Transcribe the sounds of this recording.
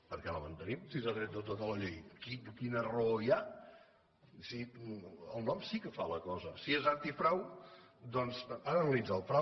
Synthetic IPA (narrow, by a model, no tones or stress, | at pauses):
pəɾkɛləmənt̪ənimsizaðɾɛt̪̚ət̪ot̪ələʎejkikinəroja | siəlˠnɔmsikəfaləkɔzəsiezant̪ifɾawd̪ɔnzaðənəlid͡zalˠfɾa